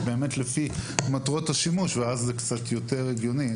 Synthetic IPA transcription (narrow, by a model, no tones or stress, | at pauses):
be̞ːmet̪lefimatʁo̞thaʃimuʃveazːekt͡satjo̞te̞ʁeɡjo̞ni